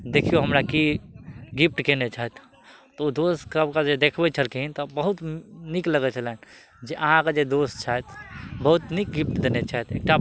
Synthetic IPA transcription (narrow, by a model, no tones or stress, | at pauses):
d̪ekʰijoɦəmɾaki | ɡip̚ʈkenet͡ʃʰaɦɛt̪ʰ | t̪ɔd̪oskəbkad͡ʒed̪ekʰbɛt͡ʃʰəlkiɦint̪ɔbəɦut̪nikləɡɛt͡ʃʰəlɛn | d͡ʒeʔəɦãkad͡ʒed̪ost͡ʃʰaɦɛt̪ʰbəɦut̪nik̚ɡip̚ʈd̪enet͡ʃʰaɦɛt̪ʰek̚ʈa